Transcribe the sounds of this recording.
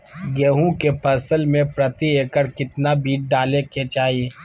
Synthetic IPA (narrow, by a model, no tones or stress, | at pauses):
ɡeːɦũkepʰɐsəlmẽpɾət̪ieːkəɾkɪt̪nabiːʈ̚ɖaːlekʰeːt͡ʃaːi